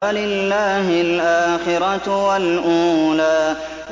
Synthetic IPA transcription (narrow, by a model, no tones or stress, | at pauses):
alɪlːaːɦɪlʔaːxɪɾɑwalʔuːlaː